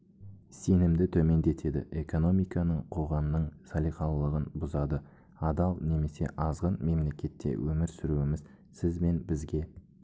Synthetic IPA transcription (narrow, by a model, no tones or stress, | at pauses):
se̞nɪmd̪ɪt̪ʰɵme̞nd̪e̞t̪ʰe̞d̪ɪ̰ʔe̞ko̞no̞mijkɑnəɴqʰo̞ʁɑmnəɴsɑlijqɑlˠːəʁənbʊzɑd̪ə | ɑd̪ɑlˠne̞me̞se̞̰ʔɑzʁənme̞mle̞kʲe̞t̪ʰːḛwʔɵmɪɾsʏɾuɪmɪz | sɪzme̞nbɪzɡʲe̞